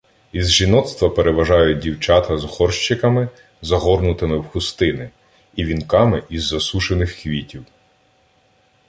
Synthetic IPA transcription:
izʒinɔt̪st̪ʋɐpeɾeʋɐʒɑjʊt̚ʲdʲiwt͡ʃɑt̪ɐzhɔrʃt͡ʃɪkɐmɪ | zɐɦɔrnʊt̪ɪmɪwxʊst̪ɪnɪ | iʋʲinkɑmɪʔizːɐsuʃenɪxːʋʲitʲiw

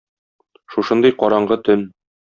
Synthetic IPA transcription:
ʃuʃɤnd̪ɤjqɒɾɑɴɢɤt̪ɵn

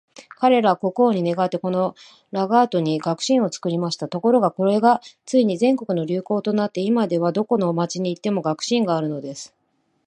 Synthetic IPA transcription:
kaɾe̞ɾako̞ko̞ːɲ̟ine̞ɡat̪ːe̞ko̞no̞ | ɾaɡaːt̪o̞ɲ̟iɡakɯ̟̥ɕĩɰ̃o̞t͡sɨ̥kɯ̟ɾʲimaɕi̥t̪at̪o̞ko̞ɾo̞ɡako̞ɾe̞ɡat͡sɨiɲ̟izẽ̞ŋko̞kɯ̟no̞ɾʲɨːko̞ːt̪o̞nat̪ːe̞imad̪e̞β̞ad̪o̞ko̞no̞mat͡ɕiɲ̟iːt̪ːe̞mo̞ɡakɯ̟̥ɕĩŋɡaːɾɯ̟no̞d̪e̞sɨ̥

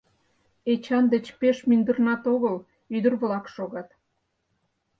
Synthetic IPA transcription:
et͡ɕɑnd̪et͡ɕpeʃmynd̪ərnɑt̪oɣəl | yd̪ərβlɑkʃoɣɑt̪

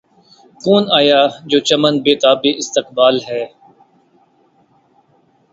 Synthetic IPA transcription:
koːnaːjaːd͡ʒoːt͡ʃəmənbeːt̪aːbeːʔɪst̪ɪq̚baːlɦɛː

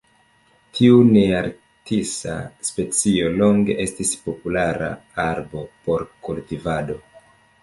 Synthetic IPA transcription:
tʰiuneaɾ | tisa̰spe̞t͡sio̞lo̞ŋɡe̞̰ʔe̞stispo̞pulaɾa̰aɾbo̞po̞ɾkultivado̞

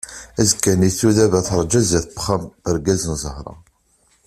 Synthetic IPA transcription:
æzəkːæniθuðævæθəɾˤd͡ʒæzæθəbə̥χəmbəɾɡæzənzˤəhɾˤɑ̰

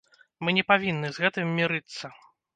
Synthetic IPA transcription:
mɨnʲɛpavʲinːɨzɣɛt̪ɨmːʲiɾɨt̪sːɐ

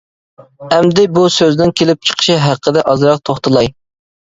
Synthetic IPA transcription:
ɛmd̪ɪbusøznɪnkʲʰelɪp̚t͡ʃʰə̥qʰə̥ʃɪɦæqʰːəd̪ɛʔɑzɾɑq̚t̪ʰoχt̪ʰɨlˠɑj

